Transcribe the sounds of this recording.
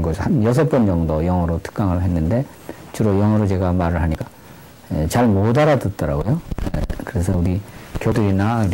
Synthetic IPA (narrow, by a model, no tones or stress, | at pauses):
ɡʌsʰhanjʌs̬ʰʌp͈ʌnd͡ʑʌŋdojʌŋʌɾotʰɯ̥k͈aŋɯɭɦe̞nːɯnde̞ | t͡ɕuɾojʌŋɦʌɾot͡ɕe̞ɡamaɾɯɭɦaɲik͈a | et͡ɕaɭmodaɾadɯt̚t͈ʌɾaɡojoḛkɯɾe̞sʰʌuɾikjodɯɾinauɾ